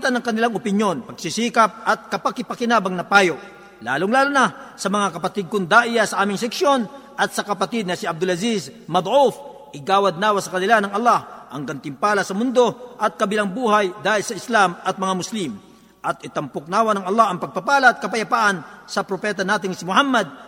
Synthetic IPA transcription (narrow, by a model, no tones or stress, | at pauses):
t̪ɐnɐŋkɐnɪlaŋopɪnjo̞npɐɡsisiːkɐp̚ɐt̪̚kɐpɐkɪpɐkɪnaːbɐŋnɐpaːjoʔ | la̰ːlʊŋlaːlʊnasɐmɐŋakɐpɐt̪ɪd̪̚kʊŋd̪aʔɪjasɐʔaːmɪŋs̬ɛkʃjo̞nʔɐt̪̚sɐkɐpɐt̪ɪd̪̚nɐsɪʔɐb̚d̪ʊlɐzismɐd̪ˤʔuf | ʔɪɡaːwɐd̪̚naːwasɐkɐnɪlanɐŋɐlːahʔɐŋɡant̪ɪmpaːlɐsɐmʊnd̪o̞ʔɐt̪̚kɐbɪlaŋbuːhajd̪aːhɪlsɐɪslamɐt̪̚mɐŋamʊslim | ʔɐt̪ʔɪt̪ɐmpʊk̚naːwɐnɐŋɐlˠːahɐŋpɐɡ̚papaːlaːt̪̚kɐpɐjɐpaːʔɐnsɐpɾopɛːt̪̬ɐnaːt̪ɪŋsɪmʊhamːɐd̪̚